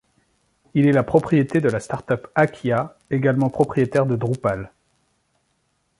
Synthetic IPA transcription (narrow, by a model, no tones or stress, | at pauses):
ilɛlapχɔpχijet̪ed̪əlast̪aʁt̪œpakʲʰja | eɡalmɑ̃pχɔpχijet̪ɛʁd̪əd̪ʁupal